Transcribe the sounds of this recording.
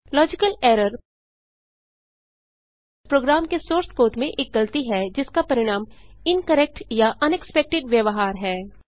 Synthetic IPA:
lɔːd͡ʒɪkəleːɾəɾ | pɾoːɡɾaːmkesoːɾskoːʈmẽʔeːk̚ɡɐlt̪iɦɛd͡ʒɪskapɐɾɪɽ̃aːmɪnkɐɾɛk̚ʈjaʔɐnɛkspɛk̚ʈɪɖʋjɐʋɦaːɾɦɛː

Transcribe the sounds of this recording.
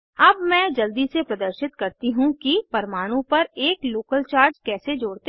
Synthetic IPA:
ɐbmɛ̃ːd͡ʒɐld̪isepɾɐd̪əɾʃɪt̪kɐɾt̪iɦũkipɐɾmaːɽ̃ũpɐɾeːkloːkəlt͡ʃaːɾd͡ʒkɛːsed͡ʒoːɽt̪e

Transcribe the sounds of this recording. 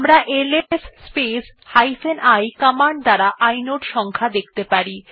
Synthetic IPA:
amɾaʔelesːpes | hajfenajkamaɳɖ̚d̪aɾaʔajnoʈʃɔŋkʰad̪ek̚ʰt̪epaɾi

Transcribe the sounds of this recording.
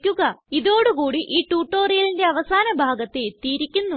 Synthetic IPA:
kʲːuɣɐiðo̞ːɽukuːɽiʔiːʈːuːʈːo̞ːrijɐlinde̞ɐʋɐsaːnɐbʱaːɡɐt̪ːet̪ːiːiɾikʲːunːu

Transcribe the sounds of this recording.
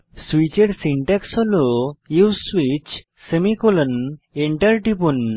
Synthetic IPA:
swit͡ɕeɽsiɳʈɛksɔlojuwswit͡ɕ | səmikɔləneɳʈəɾʈipun

